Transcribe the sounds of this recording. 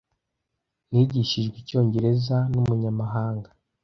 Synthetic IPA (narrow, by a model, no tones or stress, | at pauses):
niːɟiʃiʒɡwico̞ːɲɟe̞ɾe̞zanumuɲamaɦaːŋɡḁ